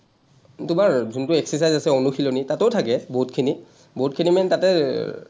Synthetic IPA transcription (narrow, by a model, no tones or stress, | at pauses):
tʊmaɹzuntʊɛksɛsajzasɛonuxʰilonitatowtʰakɛboutkʰini | bout̚kʰinimɛntatɛ